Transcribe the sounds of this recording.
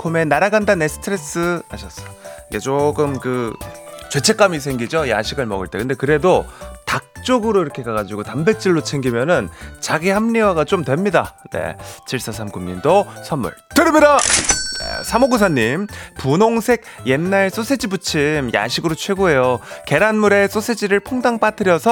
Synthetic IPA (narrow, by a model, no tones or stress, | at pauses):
kʰome̞naɾaɡandanesʰɯ̥tʰɯɾe̞s͈ʰɯhaɕʰʌs͈ʌiɡe̞t͡ɕoɡɯmkɯ | t͡ɕwe̞t͡ɕʰe̞k͈amis̬ʰeŋɡid͡ʑoja̰ɕʰiɡɯɭmʌɡɯɭt͈e̞kɯnde̞kɯɾe̞dotak̚t͡ɕ͈oɡɯɾoiɾʌkʰe̞kaɡad͡ʑiɡotambe̞t͡ɕ͈iɭːot͡ɕʰe̞ŋɡimjʌnɯnt͡ɕaɡihamɲiwaɡat͡ɕomdwe̞mɲidane̞̰t͡ɕʰiɭs͈asʰamɡumɲḭndosʰʌmṵɭtɯɾɯmɲidanḛsʰamoɡusʰaɲːimpunoŋsʰe̞ɡ̚je̞nːaɭs͈osʰed͡ʑibut͡ɕʰimja̰ɕʰiɡɯɾot͡ɕʰwe̞ɡoɦe̞joke̞ɾanmuɾe̞s͈osʰed͡ʑiɾɯɭpʰoŋdaŋp͈atʰɯɾjʌsʰʌ